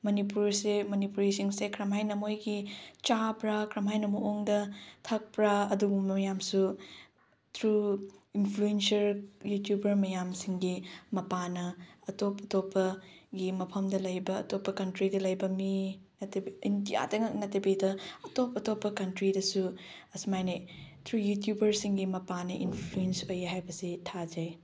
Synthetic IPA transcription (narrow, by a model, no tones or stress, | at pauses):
mɐnipuɾsemɐnipuɾisiŋsekʰɾɐmɦajnɐmojɡit͡ʃapɾakʰɾɐmɦajnɐmoʔoŋdɐtʰɐk̚pɾaɐduɡummɐjamsu | tʰɾuinpʰluensɐɾjutjubɐɾmɐjamsiŋɡimɐpanɐɐtopʰɐtopːɐɡimɐpʰɐmdɐlɐjbɐ̰ːtopːɐkɐntɾidɐlɐjbɐminɐtɐbiindija̰dɐŋɐk̚nɐtɐbidɐɐtopɐtopːɐkɐntɾidɐsu | ɐsumajnitʰɾujutjubɐɾsiŋɡimɐpanɐʔḭnpʰluensojeɦajbɐsitʰad͡ʒɐj